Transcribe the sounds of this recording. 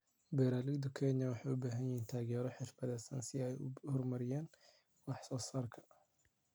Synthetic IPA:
bɛɾaːlid̪ʊkʰɛnɐwɑħɑːjʊbaːɦɐnjɪhiːnt̪ʰaːɣɛːɾɔħɪrfɐðɛːsɐnsɪɛjhɔrmɐɾɪjaːn | wɑħsɔːsaːrkʰɐ̥

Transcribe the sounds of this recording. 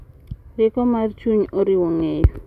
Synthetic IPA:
ɾɪkɔmart͡ʃuɲoɾiwɔŋejo

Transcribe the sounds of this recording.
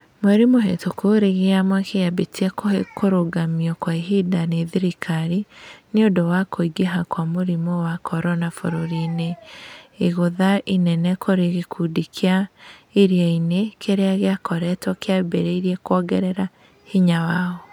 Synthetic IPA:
mwɛɾimoɦḛtokoɾeɣeamwakejabetiɛkokoɾoɡamiɔkwaiɦidaneðiɾikʰaɾineodowakoiɡeɦakwamoɾimɔwakʰɔɾɔnafoɾoɾineː | ɣoðaʔinɛnɛkoɾeɣekʰudikʰeaeɾiainekeɾeaɣeakɔɾɛtwɔkeabɛɾeiɾiɛkwɔɡɛɾɛɾa | hiɲawaːɣɔ

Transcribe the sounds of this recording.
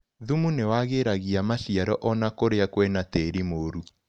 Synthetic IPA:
ðumunewaɣeɾaɣiamaʃiaɾɔʔɔnakoɾeakwɛnateɾimoɾu

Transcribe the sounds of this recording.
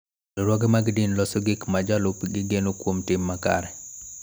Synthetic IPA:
lɔɾwɔɡemaɡdinlɔsoɡɪkmad͡ʒalopɡɪɡenokwomtɪmːaka̰ɾɛ

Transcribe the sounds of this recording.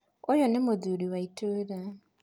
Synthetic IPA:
ojonemoðuɾiwaitʰoɾa

